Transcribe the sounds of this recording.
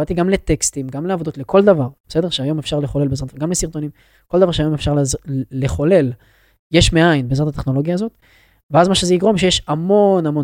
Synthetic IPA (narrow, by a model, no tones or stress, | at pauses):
at̪iɡamle̞t̪e̞kst̪imɡamleavo̞d̪o̞t̪lekʰo̞ld̪avaʁb̥ese̞d̪e̞ʁʃeajo̞mefʃaʁleχo̞le̞lbezʁatɡamlesiʁt̪o̞nim | ko̞ld̪avaʁʃeajo̞mefʃaʁlzːeχo̞le̞l | jeʃmeainbeːzʁat̪at̪e̞χno̞lo̞ɡjaːzo̞t̪ | veazmaʃezeiɡʁo̞mʃe̞jeʃamo̞namo